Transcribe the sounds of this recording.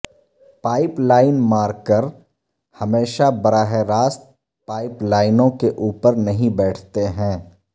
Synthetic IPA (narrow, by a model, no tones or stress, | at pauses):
paːɪplaːɪnmaːɾkəɾ | hɐmeːʃabɐɾaːɦeɾaːst̪ | paːɪplaːɪnõkeʔuːpəɾnɐɦĩbɛːʈʰt̪eɦɛ̃ː